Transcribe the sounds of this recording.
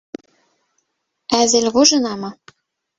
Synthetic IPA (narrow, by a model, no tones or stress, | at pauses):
æzɘ̆lʲɣoʒɤ̆nɑmɤ̆